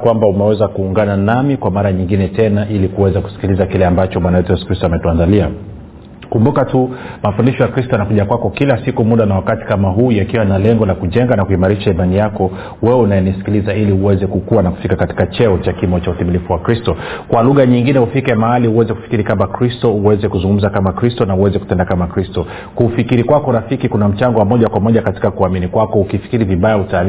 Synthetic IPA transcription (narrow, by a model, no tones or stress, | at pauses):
kwambaumɛwɛzakuːŋɡananamikwamaɾaɲiŋɡinɛtɛnaʔilikuwɛzaku̥si̥kilizakilɛambat͡ʃɔmɓwanajɛtujɛsu̥kɾistɔamɛtuandalia | kumbukatumafundiʃɔjakɾistɔjanakuʄakwakɔkilasikumuɗanawakati̥kamaɦuːjakiwanalɛŋɡɔlakuʄɛŋɡanakuimaɾiʃaimanijakɔ | wɛunajɛnisi̥kilizailiuwɛzɛkukuwanaku̥fikakati̥kat͡ʃɛɔt͡ʃakimɔt͡ʃauθimilifuwakɾistɔkwaluɣaɲiŋɡinɛhufikɛmaaliuwɛzɛku̥fi̥kiɾikamakɾistɔuwɛzɛkuzuŋɡum̩zakamakɾistɔnauwɛzɛkutɛndakamakɾistɔ | kufikiɾikwakɔɾafikikunam̩t͡ʃaŋɡɔwamɔʄakwamɔʄakati̥kakuaminikwakɔukifi̥kiɾiviɓajautal